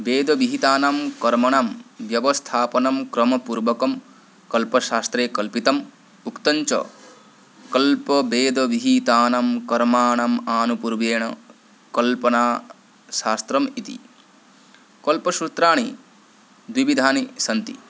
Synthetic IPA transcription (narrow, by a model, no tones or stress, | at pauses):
beːd̪ɐʋiɦit̪aːnamkɐɾmɐɳamʋjɐʋɐst̪ʰaːpɐnɐmkɾɐmɐpuɾʋɐkɐm | kɐlpɐʃaːst̪ɾeːkɐlpit̪ɐm | ukt̪ɐɲt͡ʃɐ̰ | kɐlpɐbeːd̪ɐʋiɦit̪aːnamkɐɾmaːɳɐmaːnupuɾʋeːɳɐ | kɐlpɐnaː | ʃaːst̪ɾɐmit̪ḭ | kɐlpɐʃɾut̪ɾaːɳi | d̪wiʋid̪ʱaːnisɐnt̪ḭ